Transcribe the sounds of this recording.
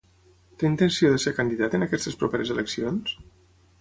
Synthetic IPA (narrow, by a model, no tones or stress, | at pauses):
t̪eint̪ənsioðəseɾkand̪iðat̪ənakɛst̪əspɾupeɾezeləksions